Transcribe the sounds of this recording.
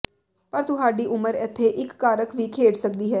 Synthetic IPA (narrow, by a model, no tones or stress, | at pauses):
pəɾt̪ʊɦaːɖiːʔʊməɾɛːt̪ʰːeːʔɪkːaːɾəkʋiːkʰeːɖsək̚d̪iːɦɛː